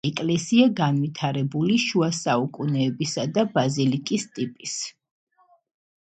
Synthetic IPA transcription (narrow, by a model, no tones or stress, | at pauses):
ɛkʼlɛsiaɡanvit̪ʰaɾɛbuliʃuasaukʼunɛːbisad̪abazilikʼist̪ʼipʼis